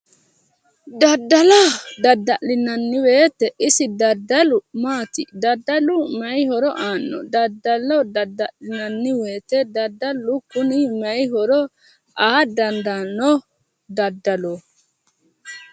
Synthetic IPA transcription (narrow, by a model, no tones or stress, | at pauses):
d̪ɐd̪ːɐlɔd̪ɐd̪ɐʔlɪnɐnːɪwe̞ːt̪ːɛʔɪsɪd̪ɐd̪ːɐlʊmaːt̪ɪd̪ɐd̪ːɐlʊmɐjhɔɾɔʔaːnːɔ̰d̪ɐd̪ːɐlɔd̪ɐd̪ːɐʔlɪnɐnːɪwe̞ːt̪ɛd̪ɐd̪ːɐlːʊkʊnɪmɐjɦɔɾɔ | ʔaːd̪ɐnd̪ɐnːɔ | d̪ɐd̪ːɐlo